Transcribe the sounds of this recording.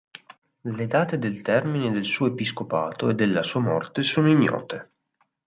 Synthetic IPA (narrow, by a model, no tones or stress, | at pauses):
led̪aːt̪ed̪elt̪ɛrmined̪elsuːoepiskopaːt̪oed̪ːelːasuːamɔ̰rt̪esoːnoinjɔ̰ːt̪e